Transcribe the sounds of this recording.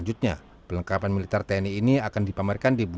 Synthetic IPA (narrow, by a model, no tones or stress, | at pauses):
d͡ʒʊt̪̚ɲa̰ | pələŋkapanmilit̪art̪ɛniːniakandipamɛrkandib